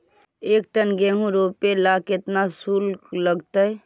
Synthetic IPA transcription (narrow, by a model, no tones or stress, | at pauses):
eːk̚ʈənɡẽɦũɾoːpelakɪt̪nasuːlləɡt̪ə